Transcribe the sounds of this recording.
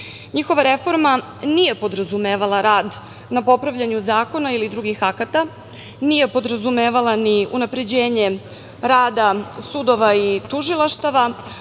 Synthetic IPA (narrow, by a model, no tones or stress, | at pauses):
ɲixo̞ʋaɾe̞fo̞ɾma | nije̞po̞d̪ɾazumeːʋalˠaɾaːd̪ | napo̞pɾaʋʎaɲuzaːko̞nailid̪ɾuɡixakat̪a | nije̞po̞d̪ɾazumeːʋalaniunapɾe̞d͡ʑeːɲe̞ | ɾaːd̪asud̪o̞ʋait̪uʒilˠaʃt̪aʋa